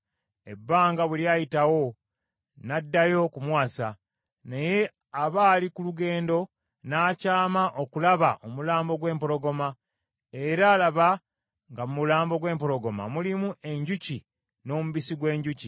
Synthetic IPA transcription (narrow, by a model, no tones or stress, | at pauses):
e̞bːaːŋɡaβuljaːjitawo̞ | nadːajo̞kumwaːsa | neje̞ | aβaːlikuluɡe̞ːndo̞ | naːcaːmaʔo̞kulaβaʔo̞mulaːmbo̞ɡwe̞ːmpo̞ɾo̞ɡo̞ma | e̞ɾaːlaβa | ŋɡamumulaːmbo̞ɡwe̞ːmpo̞lo̞ɡo̞ma̰mulimuʔe̞ɲɟuci | no̞ːmuβisiɡwe̞ːɲɟuci